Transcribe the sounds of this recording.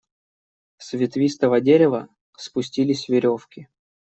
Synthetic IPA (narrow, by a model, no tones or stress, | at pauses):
svʲɪt̪vʲist̪əvədʲeɾʲɪvə | spʊsʲtʲilʲɪsʲvʲɪɾʲofkʲɪ